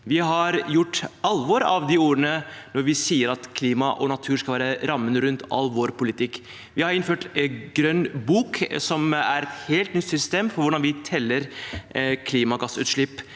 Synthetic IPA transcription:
ʋɪɦɑɾjʊʈːɑlʋɔɾɑ̰ʋd̪ɪuːɾənənɔɾʋɪsiːəɾɑt̪kʰliːmɑʔɔnɑt̪ʰʉːɾʂkɑʋæːɾəɾɑmːənəɾʉnt̪ɑ̰lʋoɾpʊlɪt̪ʰɪkː | ʋɪhɑɾɪnføːʈɡɾœnːbuːksɔmæɾɛt̪heːlt̪nʏt̪sʏst̪eːmfɔɾʋʊɖɑnʋɪt̪ʰɛlːəɾ | kʰliːmɑɡɑsːʉːt̪ʂɭɪpː

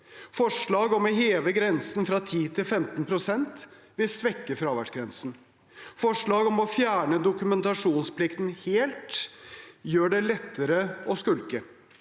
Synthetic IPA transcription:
fɔʂɭɑːɡɔmɔɦeːʋəɡɾɛnsn̩fɾɑt̪ʰiːt̪ʰɪlfɛmt̪npʰɾʊsɛnt̪ | ʋɪlsʋɛkːəfɾɑːʋæɖʂɡɾɛnsn̩ | fɔʂɭɑːɡɔmɔfjæːɳəd̪ʊkʉmɛnt̪ɑʂuːnsplɪkt̪n̩heːlt̪ | jøːɖɛlɛt̪ːəɾəɔskʉlkə

